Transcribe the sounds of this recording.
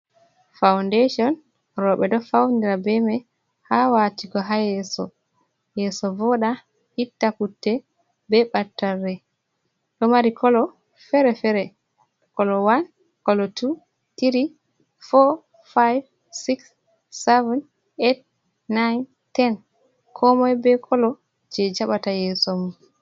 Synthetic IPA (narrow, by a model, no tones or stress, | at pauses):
fawndeʃɔn | ɾɔɓɛɗɔfawndiɾabɛmɛ | hawatiɡɔɦajɛsɔ̰ | jɛsɔvɔɗa | hitːakutːɛ | bɛɓatːarːɛ | ɗɔmaɾikʰɔlɔ | fɛɾɛfɛɾɛ | kɔlɔwan | kɔlɔtʰu | tiɾi | fɔ | fajv | siksː | ɛvɛn | et̚ː | ajn | tɛn | kʰɔmɔjbɛkʰɔlɔ | d͡ʒɛd͡ʒaɓatajɛːsɔmum